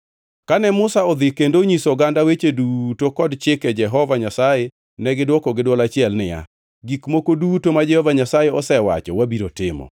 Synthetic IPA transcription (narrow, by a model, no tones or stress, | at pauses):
kanɛmʊsaɔd̪ɪkendoɲisɔɡandawet͡ʃedutokɔdt͡ʃɪkɛd͡ʒɛɦɔvaɲasaje | nɛɡɪdwɔkɔɡɪdwɔlat͡ʃɪɛlnɪja̰ | ɡikmokodutomad͡ʒɛhɔvaɲasajeɔsɛwa̰t͡ʃɔ̰wabiɾotɪmɔ̰